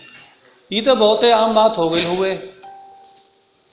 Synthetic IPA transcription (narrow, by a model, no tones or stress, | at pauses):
iːt̪əːboːt̪eːaːmːãːt̪ʰoːɡəɪlɦʊʋeː